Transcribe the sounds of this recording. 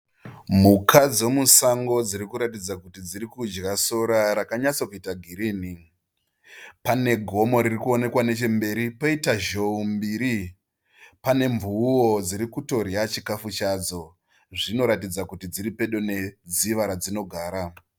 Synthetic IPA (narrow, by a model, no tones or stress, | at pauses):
mukʰad͡zwo̞musaŋɡo̞d͡ziɾikuɾatid͡zakutid͡ziɾikud͡ʒɡaso̞ɾaɾakaɲat͡sokuitaɡʱiɾiːni | pane̞ɡʱo̞mo̞ɾirikuo̞ne̞kwane̞t͡ʃe̞mbe̞ɾipoitaʒo̞umbiːɾi | pane̞ɱvuwod͡ziɾikuto̞ɾiat͡ʃikafut͡ʃad͡zo̞ | ʐino̞ɾatid͡zakutid͡ziɾipe̞ɗo̞ne̞d͡ziʋaɾad͡zino̞ɡʱaːɾa